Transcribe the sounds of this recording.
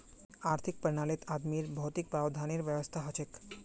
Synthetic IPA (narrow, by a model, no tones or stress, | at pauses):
aɾt̪ʰik̚penalet̪ad̪miɾbʱɔt̪ik̚bɛbod̪ʱaneɾbɛbost̪ʰaɦɔt͡ɕʰek